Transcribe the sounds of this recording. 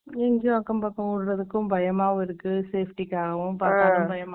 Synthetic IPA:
ɛŋɡõɐkːɐmpakːɐ̃uːɽɯɾɐðɯkːʊ̃mbʱɐjɐmaːʋɪɾɯkːɯseːfʰʈikːaːɣɐʋʊ̃paːɾaːɐ̃mbʱɐjɐma

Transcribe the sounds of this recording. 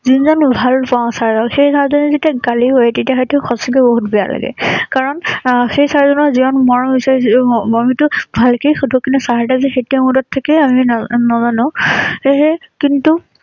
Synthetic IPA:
zinzɔnbʱalpãsaɹzɔlxejsaɹzɔnɛzetiaɡaliɦojɛtetiaxɔjtuxɔsɔɡɛboɦutbɛja̰la̰ɡɛ̰kaɹɔnxejsaɹzɔnɔziɔnmɔɹɔbisaɹisamitʊbʱalkejxudʱɔkinɛsaɹadazɛxetiamudɔtʰːakɛaminɔzanɔ̃eɦɛkintu

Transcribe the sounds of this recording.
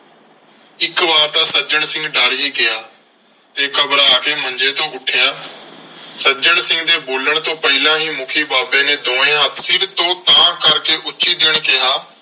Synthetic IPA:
ɪkʋaːɾt̪aːsəd͡ʒəɳ̃sɪ̃ŋɡɖaːɽɦiːkɪjaː | t̪eːkəbɾaːkeːmə̃nd͡ʒeːt̪õːɡʊʈʰejaː | səd͡ʒəɳsɪ̃ŋɡd̪eːboːləɳ̃t̪õːpəɦɪlãːɦĩːmʊkʰiːbaːbẽːneːd̪õːẽːasɪɾt̪õːt̪aãːkəɾkeːʔʊt͡ʃʃiːd̪eːɳ̃kɪjaː

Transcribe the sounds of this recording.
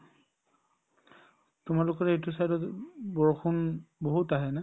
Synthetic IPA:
tʊmalʊkɔɹejtus̬ajdɔtbɔɹkʰunboɦutaɦɛnɛ

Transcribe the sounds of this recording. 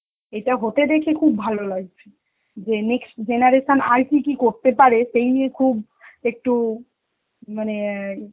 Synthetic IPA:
ejʈaɦot̪ed̪ekʰekʰubːʱalolaɡ̚t͡ɕʰe̥ | d͡ʑeneksʈd͡ʑenaɾeʃona̰jʈikikoɾt̪epaɾeʃejniekʰub | ek̚ʈu | mane

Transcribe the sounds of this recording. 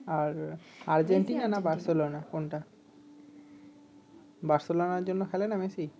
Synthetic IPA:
aɾaɾd͡ʑeɳʈinanabaɾselonakonʈa | baɾselonaɾd͡ʑonːokʰɛlenamesi

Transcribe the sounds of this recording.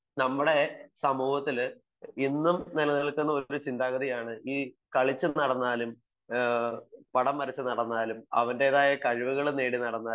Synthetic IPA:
nɐmːuɽe̞sɐmuːhɐt̪ːil | inːumnilɐniɭkunːɐo̞ɾut͡ɕind̪aːɣɐðijaːɳɨiː | kɐɭit͡ɕːɨnɐɽɐnːaːlum | pɐɽɐmːɐɾɐt͡ɕːɨnɐɽɐnːaːlumɐ̰ʋɐnde̞ːðaːjɐkɐɻiʋuɣɐɭneːɽinɐɽɐnːaː

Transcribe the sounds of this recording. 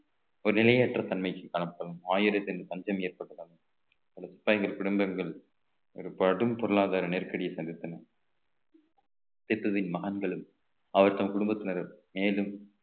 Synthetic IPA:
ɔɾɯnɪlɐjeːʈrɐt̪ɐnmɐɪkːɯkːɐɳɐpːɐlɐmaːjɪɾɐt̪ːɛndɯpɐɲd͡ʒɐmeːɾpɐʈːɯðɐnɐ | pɐlɐsɪ̥pːaːjŋɡɐɭkʊɽɯmbɐŋɡɐɭ | ɔɾɯpɐɽɯmpɔɾɯɭaːðaːɾɐneɾkɐɽɪjɐsɐnd̪ɪt̪ːɐnɐ | t̪ɪt̪ːɯʋɪnmɐɣɐnɡɐɭɯm | ɐʋɐɾt̪ɐmɐkʊɽʊmbɐt̪ːɪnɐɾmeːlɯm

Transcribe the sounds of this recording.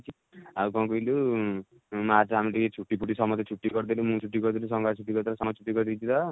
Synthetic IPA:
t͡ʃʰi | aukɔ̃kuilu | mat͡sʰaɦamiliket͡ʃʰuʈːipʰuʈisɔmɔt̪et͡ʃʰuʈːiɡɔɾd̪ilumũt͡ʃʰuʈːiɡɔɾd̪ilusɔŋɡat͡ʃʰuʈːiɡɔɾd̪eɾsɔmt͡ʃʰuʈːiɡɔɾd̪it͡ʃʰit̪ɔ

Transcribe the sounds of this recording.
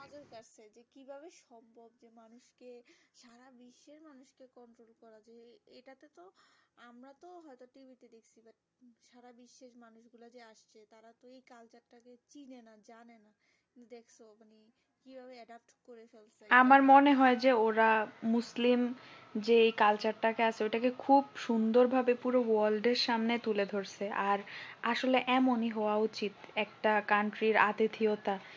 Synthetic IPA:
ɔd͡ʑoɾkaɾt͡ɕʰed͡ʑekibʱaβeʃɔmʱːobd͡ʑemanuʃkeʃaɾabiʃːeʃmanuʃkekɔɳʈɾolkɔɾad͡ʑeeʈat̪et̪oamɾat̪oɦɔet̪oʈibʱit̪id̪ekʰt͡ɕʰibaʈ | ʃaɾabiʃːeʃmanuʃɡulad͡ʑeaʃt͡ɕʰet̪aɾat̪oejkalt͡ɕaʈaket͡ɕinenad͡ʑanena | kkint̪ud̪ekʰsʰomane | kibʱabeɛɖap̚ʈkoɾefelseamaɾmoneɦɔed͡ʑeoɾamuslim | d͡ʑeejkalt͡ɕaɾʈakeat͡ɕʰeojʈakekʰubʃund̪oɾbʱabepuɾowɔlɖeɾʃamnet̪uled̪ʱoɾt͡ɕʰeʔaɾaʃoleʔɛmoniɦɔoaut͡ɕit̪ɛkʈakaɳʈɾiɾa̰t̪et̪ʰiot̪a

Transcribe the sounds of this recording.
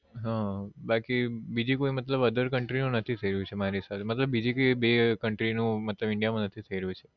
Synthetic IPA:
ɦãbakibid͡ʒikoimət̪ləbəd̪əɾkəɳʈɾinũnət̪ʰit̪ʰəiɾəjũt͡ʃʰemaɾisat̪ʰemət̪ləbːid͡ʒikoibekəɳʈɾinũmət̪ləbɪɳɖijamãnət̪ʰit̪ʰəiɾəjũt͡ʃʰe̥

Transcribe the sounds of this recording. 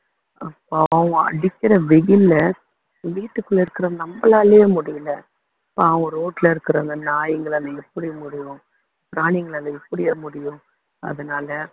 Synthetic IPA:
ɐpːoɐʋɐ̃ɐ̰ɽɪkːɪɾɐʋɛɣɪlːɐ | ʋiːʈːɯkːɯlːɐɪɾɯkːɪɾɐnɐmbɐlaːljeːmʊɽɪjɯlɐ | ɐpːoɐʋɐ̃ɾoːʈlɐɪɾɯkːɪɾɐnd̪ɐnaːjɪŋɡɐɭɐlɐɛpːɐɽimʊɽɪjʊ̃ | pɾaːnɪŋɡɐɭɐlɐɛpːɐɽɪjemʊɽɪjʊ̃ | ɐ̰ðɐnaːlɐ

